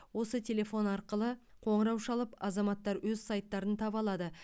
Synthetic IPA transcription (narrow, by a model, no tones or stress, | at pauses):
wo̞sət̪ʲʰe̞le̞fo̞nɑɾqəlˠə | qʰo̞ɴəɾɑwʃɑlˠəpɑzɑmɑt̪ːɑɾwɵzsɑjt̪ːɑɾənt̪ʰɑbɑlˠɑd̪ə